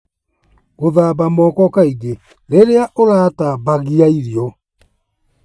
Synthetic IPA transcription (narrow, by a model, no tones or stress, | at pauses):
ɣoðaːbamɔːkɔkaiɡe | ɾeɾeaʔoɾaːtabaɣiaiɾiɔ